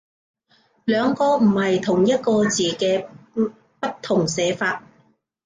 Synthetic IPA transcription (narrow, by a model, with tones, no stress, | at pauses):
lœː˨˧ŋkɔː˧m̩˨˩hɐ˨jt̪ʰʊ˨˩ŋjɐ˥t̚kɔː˧t͡siː˨˩kɛː˧ | pɐ˥t̚t̪ʰːʊ˨˩ŋsɛː˨˧˥faː˧t̚